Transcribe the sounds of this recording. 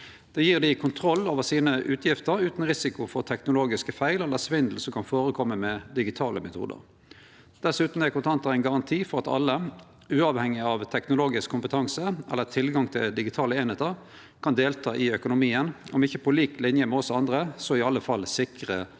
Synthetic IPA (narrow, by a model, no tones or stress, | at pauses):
d̪̥ɛjiːʁd̪ɪkʰʊnt̪ʰɾɔlːoːʋəʁsiːnəʔʉːt̪ʰjɪft̪əɾʉːt̪n̩ʁɪsɪkʊfɔʁt̪ʰɛknʊloːɡɪskəfæɪlɛlːəsʋɪnd̪l̩sɔmkʰɑnfoːɾəkʰɔmːəmɛd̪ɪɡɪt̪ʰɑːləmɛt̪ʰṵːd̪ə̰ʁ | d̪̥ɛsʉːt̪n̩æɪkʊnt̪ʰɑnt̪əʁæɪnɡɑʁɑnt̪ʰiːfɔʁɑt̪ɑ̰lːə | ʉːɑʋhɛŋːɪɑʋt̪ʰɛknʊloːɡɪskʰːʊmpət̪ʰɑŋsəɛ̰lːət̪ʰɪlɡɑŋt̪ʰɪ̰ld̪ɪɡɪt̪ʰɑːləeːnɛt̪əʁ | kʰɑnd̪eːlt̪ʰɑːʔɪœkʊnʊmiːənɔmɪçːəpʰɔliːklɪnjəmɛɔsɑnd̪ʁəsɔɪɑlːəfɑlsɪkʁə